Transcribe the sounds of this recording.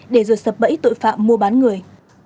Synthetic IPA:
ɗe˧˩zo˨˩jsə˨˩p̚ɓə̰˧˥jt̪o̰˧˨jfa̰ː˧˨mːu˧əɓaː˨˦nŋɨ˨˩əj

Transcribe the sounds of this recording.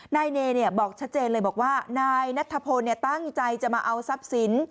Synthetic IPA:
naː˧jneː˧ni˥˩ɐbɔː˨˩k̚t͡ɕʰa˦˥t̪̚t͡ɕeː˧nlɤː˧jbɔː˨˩kwaː˥˩naː˧jna˦˥t̪ʰːa˧pʰo˧nːi˥˩t̪a˥˩ŋt͡ɕa˧jt͡ɕa˨˩maː˧ʔa˧wsa˦˥p̚si˩˦n

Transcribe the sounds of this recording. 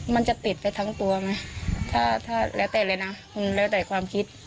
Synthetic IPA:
ma˧˨nt͡ɕa˨˧˨t̪i˨˩t̪̚pa˧jt̪ʰaː˦˧˥ŋt̪u˧ɐma˧˦˥jt̪ʰaː˧˩t̪ʰaː˧˩lɛː˦˥wt̪ɛː˧˩la˧jna˧˥kʰu˧˨nlɛː˧˥˩dɔ˨˩kʰwaː˧mkʰi˧˥t̪̚

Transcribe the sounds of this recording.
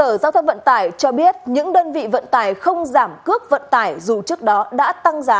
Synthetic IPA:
əː˧˩zaː˧wt̪ʰə˧wŋ͡mvə̰˧˨nt̪aː˧˩jt͡ɕɔ˧ɓi˦˥ət̚ɲɨ̰˧˥ŋɗəː˧nvḭ˧˨və̰˧˨nt̪aː˧˩jxə˧wŋ͡mzaː˧˩mkɨ˦˥ək̚və̰˧˨nt̪aː˧˩jzu˨˩t͡ɕɨ˦˥ək̚ɗɔ˨˦ɗa̰ː˧˥t̪a˧ŋzaː˨˦

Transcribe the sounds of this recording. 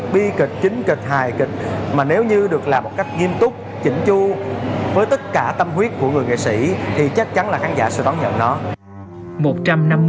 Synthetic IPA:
ɓi˧ki˨˩k̚t͡ɕï˨˦ŋ̟kï˨˩k̚haː˨˩jkï˨˩k̟̚maː˨˩ne˨˦wɲɨ˧ɗɨ˨˩ək̚laː˨˩mo˨˩t̚ka˦˥jk̟̚ŋi˧əmt̪ʊ˦˥k͡p̚ | t͡ɕï˧˦ŋ̟t͡ɕu˧vəː˨˦jt̪ə˦˥t̚kaː˧˩t̪ə˧mɦwi˦˥ət̚ku˧˩əŋɨ˨˩əjŋḛ˧˨jsḭ˧˥t̪ʰi˨˩t͡ɕa˦˥k̚t͡ɕa˨˦nlaː˨˩xaː˨˦nza̰ː˧˩sɛ̰˧˥ɗ̪ɔ˨˦ɲə̰˧˨nnɔ˨˦ | mo˨˩t̚t͡ɕa˧mna˧mː

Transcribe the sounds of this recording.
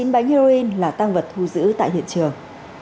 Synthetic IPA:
i˨˦nɓa˨˦jŋhi˧ɾo˧i˧nlaː˨˩t̪a˧ŋvə˨˩t̚t̪ʰu˧zɨ̰˧˥t̪a̰ː˧˨jɦḭ˧˨ənt͡ɕɨ˨˩əŋ

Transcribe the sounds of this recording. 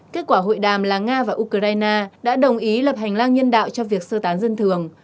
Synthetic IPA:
ke˦˥t̚kwaː˧˩ɦo̰˧˨jɗaː˨˩mlaː˨˩ŋaː˧vaː˨˩ʔu˧kə˧aː˧jnaː˧ɗa̰ː˧˥ɗə˨˩wŋ͡mʔi˨˦lə˨˩p̚ha˨˩ŋ̟laː˧ŋɲə˧nɗa̰ː˧˨wt͡ɕɔ˧vi˨˩ək̚səː˧t̪aː˨˦nzə˧nt̪ʰɨ˨˩əŋ

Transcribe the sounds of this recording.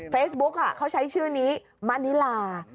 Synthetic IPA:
feː˦˥sbu˦˥k̚ʔa˨˩kʰa˦˥˩wt͡ɕʰa˦˥jt͡ɕʰɯː˥˩niː˦˥ | ma˦˧˥ni˦˥laː˧

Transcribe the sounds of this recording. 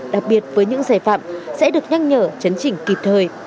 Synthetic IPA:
ɗa˨˩k̚ɓi˨˩ət̚vəː˨˦jɲɨ̰˧˥ŋsaː˧˩jfa̰ː˧˨msɛ̰˧˥ɗɨ˨˩ək̚ɲa˧jŋɲəː˧˨˩t͡ɕə˨˦nt͡ɕï˧˩ŋ̟ki˨˩p̚t̪ʰəː˨˩j

